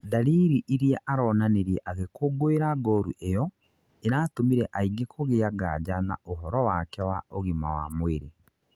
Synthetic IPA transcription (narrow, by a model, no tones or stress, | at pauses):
daɾiːɾiʔiɾiaʔaɾɔːnaneɾjɛʔaɣekoɡoeɾaɡɔɾṵʔejɔ | eɾaːtomiɾɛʔaiɡekʰoɣeaɡa̰d͡ʒana̰oɦɔɾɔwakɛwaoɣima̰wa̰mweɾe